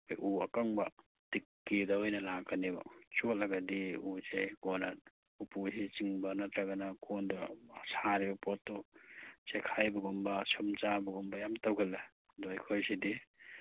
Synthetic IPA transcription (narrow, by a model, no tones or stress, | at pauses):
ojʔuɐ̰kaŋbɐ | tikːidaɔjnɐlakaniba̰t͡ʃɔtlɐɡadiusekɔna | upusit͡ʃiŋbɐnɐt̪ɾaɡanakʰɔndasaɾibɐpɔtːɔt͡ʃekʰajbɐɡɔmbɐsɯmt͡ʃabɐɡɔmbɐjamtawɡɐle | dojkʰojsidi